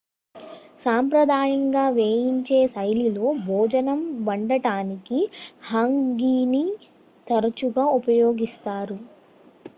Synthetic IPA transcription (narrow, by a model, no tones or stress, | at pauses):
saːmpɾɐd̪ʱaːjɐŋɡaːʋeːjiɲt͡ʃeːsɐjlilo̞ːbʱɔːd͡ʒɐnɐmbɐɳɖɐʈaːnikihɐŋɡiːni | t̪ɐɾɐt͡ʃuɡaːupɐjo̞ːɡist̪aːɾu